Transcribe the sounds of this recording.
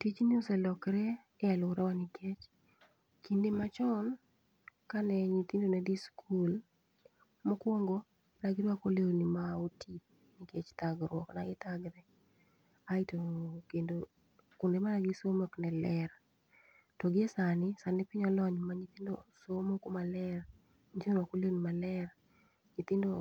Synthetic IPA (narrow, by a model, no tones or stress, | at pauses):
tit͡ʃnɪusɛlɔkɾɛː | alʊɾɛwanɪkʰet͡ʃ | kindemat͡ʃɔn | kanɛɲit̪indonɛdiskʰul | mokwoŋɡo | naɡɪɾwakoleonimaotʰip̚ | nɪket͡ʃt̪aɡɾwɔknaɡɪt̪aɡɾɛ | aitokendo | kʊndemanaɡisomoknɛlɛr | tɔɡɪesanɪsanɪpɪɲɔlɔɲmaɲit̪indo̰somokomalɛr | ɲit͡ʃonwakolenimalɛr | ɲit̪indo